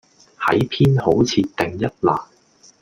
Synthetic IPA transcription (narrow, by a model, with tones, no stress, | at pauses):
hɐ̰˨˥jpʰiː˥nho˨˥wt͡sʰiː˧tt̪ɪ˨ŋjɐ˥t̚laː˨˩n